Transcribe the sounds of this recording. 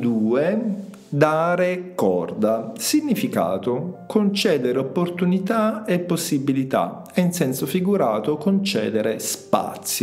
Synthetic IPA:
d̪uːe | d̪aːɾekɔ̰rd̪asiɲːifika̰ːt̪okont͡ʃɛːd̪eɾeopːort̪unit̪aepːosːibilit̪a̰ | ɛinsɛnsofiɡuɾaːt̪okont͡ʃɛ̰ːd̪eɾespa̰t̪sːjo

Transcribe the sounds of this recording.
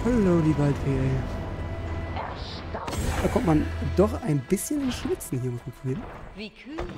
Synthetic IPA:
fɔlːoʊdiːvaltveːjə | d̥aːkʰɔmtmandɔχaɪnbɪsçənɪnʃl̥ɪt͡sn̩hɦiːɐmɪtemfiːi

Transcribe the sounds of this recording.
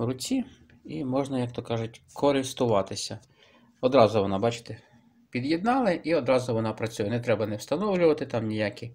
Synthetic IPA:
ɾʊt͡sʲi | imɔʒnɐjɐkt̪ɔkɑʒʊtʲkɔɾɪst̪ʊʋɑt̪ɪsʲɐ | ɔd̪ɾɑzʊʋɔnɑbɑt͡ʃɪ̥t̪e | pʲid̪jɛd̪̚nɑlˠɪʔiɔd̪ɾɑzʊʋɔnɑpɾɐt͡sʲujɛnɛt̪ɾɛbɐnɛwst̪ɐnɔwlʲʊʋɐt̪ɪt̪ɑmnʲijakʲi

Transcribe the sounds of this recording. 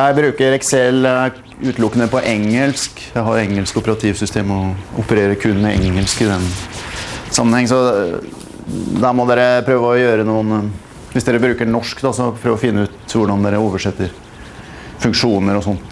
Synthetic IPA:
jæɪbɾʉːkəɾɛksɛl | ʉːt̪lʊkːənəpɔʔɛŋːəlskjæɪɦɑɾɛŋːəlskʊpəɾɑt̪ʰiːʋsʏst̪ʰeːmɔʊpəɾeːɾəkʰʉnːmɛɛŋːəlskɪd̪ɛn | sɑmːənhɛŋːənsɔ | d̪æːɾmɔd̪eːɾəpʰɾøːʋəɔjøːɾənuːən | ʋɪsd̪eːɾəbɾʉːkəɳɔʂkd̪ɑsɔpʰɾøːʋɔfɪnːəʉːt̪ʋʊɖɑnd̪eːɾəoːʋəʂɛt̪ːəɾ | fʉŋkʂuːnəɾɔsɔnt̪

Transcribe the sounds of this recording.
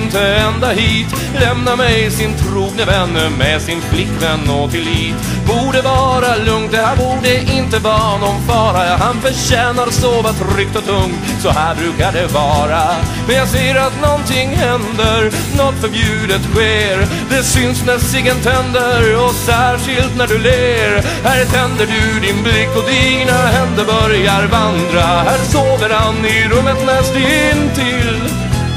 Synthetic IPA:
nt̪əɛnd̪ahiːt̪ | lɛmnamɛjsɪnt̪ʰɾuːɡ̚nəvɛnːəmɛsɪnflɪkːvɛnːɔt̪ʰɪlːiːt̪ | buːɖəvɑːɾalɵŋt̪̚d̪ɛhæːɾbuːɖɛʔɪnt̪əvɑːnɔmfɑːɾajaɦanfœɾʂɛːnaɾsoːvat̪ʰɾʏk̚t̪ɔt̪ʰɵŋt̪ | sɔhæːɾbɾʉ̟ːkaɖɛvɑːɾamɛnjɑːɡseːəɾat̪nɔnt̪ɪŋːhɛnd̪əɾ | nɔt̪fœɾbjʉ̟ːd̪ət̪ɧeːɾ | d̪ɛsʏnsnæsɪɡənt̪ʰɛnd̪əɾɔsæːʂɪlt̪næɖɵleːɾ | hæɾt̪ʰɛnd̪əɖɵɖɪnblɪkːɔd̪inahɛnd̪əbœɾjaɾvand̪ɾahæːɾsoːvəɾhanɪɾɵmːət̪lɛːsd̪ɵɪnt̪ʰɪl

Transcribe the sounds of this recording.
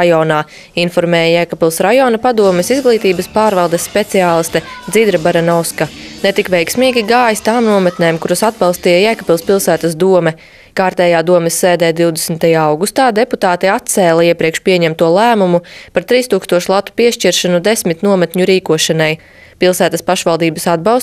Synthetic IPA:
ajɔːnaː | infɔɾmɛːjajɛkapilˠsɾajɔːnɐpad̪uɔmɛsizɡlˠiːt̪iːbɐspaːɾvɑlˠd̪ɛsːpet̪siaːlˠist̪ɛd̪id̪ɾɐbaɾanɔwskanet̪ikʋɛjksmiːɡʲiɡaːjist̪aːmnuɔmɛt̪neːmkuɾasad̪bɑlˠst̪iːjajækapilˠspilˠsæːt̪ɐsd̪uɔmɛ | kaːɾt̪ɛːjaːd̪uɔmɛsːeːd̪ɛːd̪iwd̪esnt̪ajaːawɡust̪aːd̪eput̪aːt̪iat̪̚t̪sɛːlˠɐiɛpɾiɛkʃpiɛɲɛmt̪uɔlˠæːmumupaɾt̪ɾiːst̪uːkst̪uɔʃlˠat̪ːu̥piɛʃt͡ʃiɾʃanud̪esmit̪nuɔmɛt̪ɲuɾiːkuɔʃanaj | pilˠsæːt̪ɐspaʃʋalˠd̪iːbɐsad̪̚bɑws

